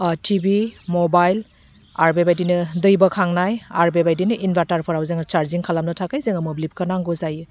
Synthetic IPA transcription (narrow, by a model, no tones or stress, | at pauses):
tʰibimɔbajl | aɾbebajdinɯdɯjbɐkʰaŋnajaɾbebajdinɯʔinbʱantaɾpʰɔɾawzeŋɐt͡ʃaɾziŋkʰalamnɐtʰakajzeŋɐmɯblip̚kʰanaŋɡɔzajɯ